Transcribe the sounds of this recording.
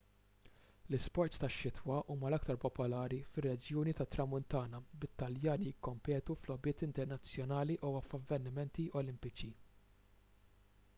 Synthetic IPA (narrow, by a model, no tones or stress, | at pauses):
lɪspɔɾt̪st̪ɐʃːɪt̪ʰwɐʔuːmɐlɐkt̪ɐɾpɔpɔlɐːɾifɪrːɛd͡ʒjuːnit̪ɐt̪ːɾɐmʊnt̪ɐːnɐbɪt̪ːɐljɐːnijɪkːɔmpɛːt̪uflɔbɪːt̪ɪnt̪ɛɾnɐt͡sːjɔnɐːliʔuɐfɐvːɛɾnɪmɛnt̪iʔɔlɪmpɪt͡ʃi